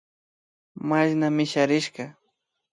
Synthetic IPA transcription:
maʃnamɪʃaɾɪʃɢɑ

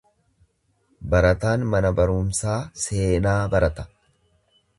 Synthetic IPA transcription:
bɐɾɐt̪aːnmɐnɐbɐɾuːmsaːse̞ːnaːbɐɾɐt̪ɐ̥

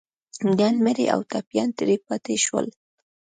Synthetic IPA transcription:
danmeɾḛʔa̰wt̪apjɑnt̪ɪɾipɑt̪eʃwə̰l

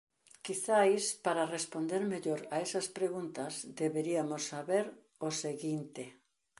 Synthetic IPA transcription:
kiθajspaɾarespond̪eɾmeʎoɾaesɐspɾeɣunt̪ɐzd̪eβeɾiamosːaβeɾ | oseɣint̪e

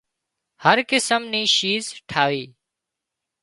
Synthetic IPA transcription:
həɾkɪsəmniːʃiːzʈʰaːʋiː

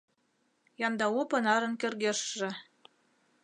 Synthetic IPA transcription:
jɑnd̪ɑupɤ̆nɑɾɤ̆nkɘ̆rɣeʃːɘ̆

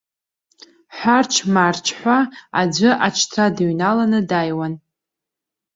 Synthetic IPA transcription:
ħʷart͡ʃʰmaːrt͡ʃʰħʷaad͡ʒʷɨʔat͡ʃʰtʰradɥnalanɨdajwan

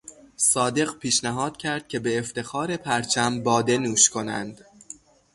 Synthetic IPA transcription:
sɒːd̪e̞ɢpʰiːʃnæɦɒːd̪̥cʲʰæɾd̪̥̚cʰʲe̞be̞ːft̪e̞xɒːɾe̞pʰæɾt͡ʃʰæmbɒːd̪e̞nuːʃkʰo̞næ̰nd̪̥

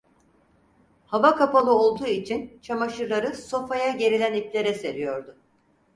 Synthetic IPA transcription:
havakʰapalˠɯo̞lˠd̪uːit͡ʃʰint͡ʃʰamaʃɯɾlˠaɾɯso̞fajaɟe̞ɾilʲæniplʲe̞ɾɛse̞ɾijo̞ɾd̪ʊ

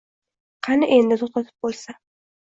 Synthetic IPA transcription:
qʰɑnɪʔe̞nd̪ɪt̪ʰoχt̪ʰat̪ʰɪ̥p̚bolˠsa

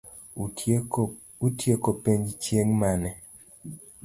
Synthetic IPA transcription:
utjekopeɲt͡ʃjeŋmanɛ

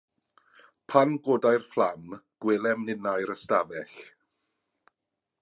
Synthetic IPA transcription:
pʰanɡoːdajrflˠamɡ̥wɪlˠɛmnɪnajɾəstavɛɬ

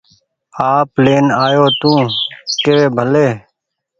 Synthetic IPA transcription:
aːpleːnaːjoːt̪ũːkeːeːbʱəleː

